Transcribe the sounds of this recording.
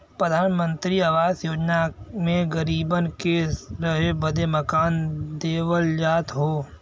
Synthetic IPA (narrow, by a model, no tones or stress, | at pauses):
pɾəd̪ʱaːnmə̃nt̪ɾiɐʋaːzjoːd͡ʒnamẽɣɐɾiːbənkeɾɐɦebɐd̪ʱemɐkaːnd̪eːʋəld͡ʒaːt̪ɦoː